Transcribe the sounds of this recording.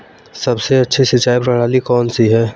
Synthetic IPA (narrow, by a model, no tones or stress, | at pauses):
sɐbseɐtːʃʰisɪt͡ʃaːjpɾɐɽ̤aːlikɔːnsiɦɛː